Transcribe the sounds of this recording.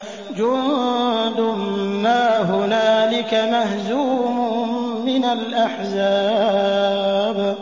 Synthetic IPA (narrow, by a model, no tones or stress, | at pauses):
d͡ʒʊnd̪ʊmːaːɦʊnaːlɪkamaɦzuːmʊmɪnalʔaħzaː | b